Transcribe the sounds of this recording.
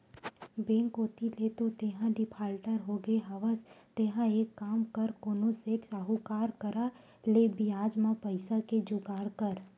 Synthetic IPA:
bẽːŋkoːt̪ilet̪ot̪eɦãɖɪpʰaːlʈəɾɦoɡeɦɐʋəst̪eɦãeːkːaːmkəɾkoːnoseːʈsaːɦukaːɾkəɾa | lebiaːd͡ʒmãpɐɪsaked͡ʒʊɡaːɽkəɾ

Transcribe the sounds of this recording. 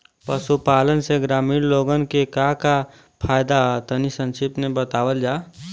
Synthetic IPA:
pəsupaːlənseɡɾaːmiːɾloɡənkekaka | pʰaːjd̪at̪ənisə̃nt͡ʃʰipnebət̪aːwəld͡ʒaː

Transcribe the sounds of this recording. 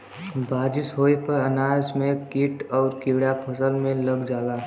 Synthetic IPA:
baːd͡ʒɪsɦoːepəɾənaːd͡ʒmẽkɪʈɔːɾkɪɽapʰəsəlmẽləɡd͡ʒaːlaː

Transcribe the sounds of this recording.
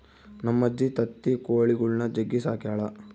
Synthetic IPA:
nɐmːɐd͡ʒːit̪ɐt̪ːikoːɭiɡuɭnɐd͡ʒɐɡːisaːkjaːɭɐ

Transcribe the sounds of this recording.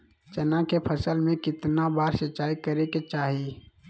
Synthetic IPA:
t͡ʃənãkepʰəsəlmẽkɪt̪nabaːɾsət͡ʃaːikəɾeket͡ʃaːɦi

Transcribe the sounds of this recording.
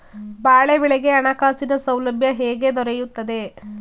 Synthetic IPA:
baːɭebiɭeɡe̞ɐɳakaːsinɐsɐwlɐbʱjɐɦeːɡe̞d̪ɔɾejut̪ːɐd̪e̞

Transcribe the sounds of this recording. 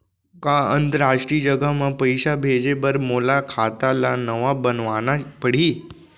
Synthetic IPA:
kaənt̪əɾaʂʈɾiːd͡ʒəɡamãpəjɕabʱed͡ʑebəɾmolakʰat̪alanəʋabənʋanapəɽ̤iː

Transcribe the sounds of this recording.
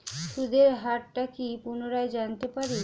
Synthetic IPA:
ʃud̪ʱeɾɦaʈʈakipunoɾaed͡ʑant̪epaɾi

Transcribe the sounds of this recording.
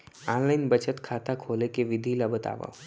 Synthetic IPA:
ãːnlaɪnbət͡ʃət̪kʰaːt̪akʰoːlekeʋɪd̪ʱilabət̪a̰ːʋa̰

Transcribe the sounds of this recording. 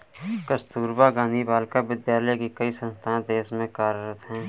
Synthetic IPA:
kəst̪uːɾbaɡaːnibaːlkabɪd̪jaːlekikəisə̃nst̪ʰãd̪eːsmẽkaːɾɾət̪ɦɛ̃ː

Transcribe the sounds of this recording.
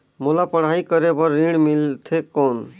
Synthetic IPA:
mulapəɽ̤ɦaikəɾebʌɾːiɽ̃milt̪ʰekɔn

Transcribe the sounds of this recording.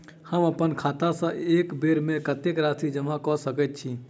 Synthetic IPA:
həməpənkʰaːt̪asə̃eːkbeɾmẽkət̪ekɾaːt̪ʰid͡ʒəmãkɔsəkət̪̚t͡ʃʰi

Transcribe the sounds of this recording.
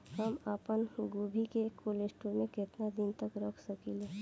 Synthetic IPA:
ɦəmaːpənɡuːbʱikekʰolesʈəɾmẽkɪt̪nad̪ɪnt̪əkɾəkʰsəkileː

